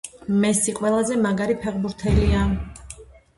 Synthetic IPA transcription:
mɛsiqʼwɛlˠazɛmaɡaɾipʰɛʁbuɾt̪ʰɛlia

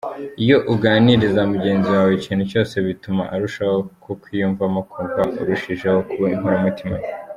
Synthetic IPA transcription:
ijo̞ʔuɡaːniɾizamuɟe̞ːnziwaːweciːnhuco̞ːse̞βituma̰ʔaɾuʃaho̞kʰokwijuːɱvamakuːɱvaʔṵɾuʃiʒehokuβaŋhuɾamutimaw

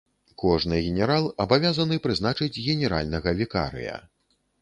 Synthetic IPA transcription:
kɔʐnɨɣʲɛnʲɛɾalˠɐbavʲazɐnɨpɾɨzn̪at͡ʂɨd͡zʲɣʲɛnʲɛɾa̰lʲnɐɣɐvʲika̰ɾɨ̰jɐ̰

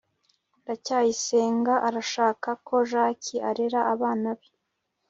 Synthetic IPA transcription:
ndacaːjise̞ːŋɡaʔaɾaʃaːkako̞ʒaːciʔaɾeɾaʔaβaːnaβe

